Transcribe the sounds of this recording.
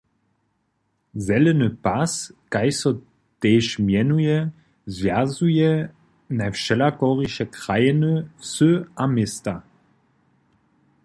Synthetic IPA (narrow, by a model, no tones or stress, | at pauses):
zɛlɛnəpaskajsɔ | t̪ɛːʃmjɛnujɛ | zvjazujɛ | nafʃɛlakɔʁiʃɛkʁajɛnəsɵamɪsta